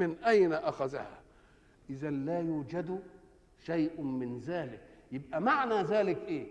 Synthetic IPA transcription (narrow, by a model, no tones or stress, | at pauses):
ɪnʔajnaʔaxazaha̰ | ʔɪzanlaːjuːd͡ʒad̪ | ʃajʔmɪnzaːlɪkjɪb̚ʔamaʕnazaːlɪkʔeː